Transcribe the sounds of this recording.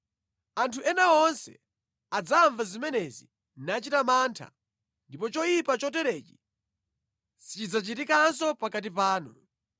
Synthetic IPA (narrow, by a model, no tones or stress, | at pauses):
antʰuʔɛnaɔnsɛ̰ | ad͡zaːɱvazimɛnɛzḭ | nat͡ʃitamaːntʰa̰ | ndip̬ɔt͡ʃɔjipat͡ʃɔtɛɾɛt͡ʃi̥ | sit͡ʃid͡zat͡ʃitikansɔpakat̬ip̬aːnu